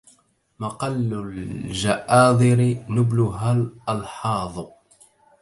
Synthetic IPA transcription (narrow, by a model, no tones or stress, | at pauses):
mɑqɑlːʊld͡ʒaʔɑːd̪ˤɨɾɪnʊblʊɦalʔɑlħɑːðˤ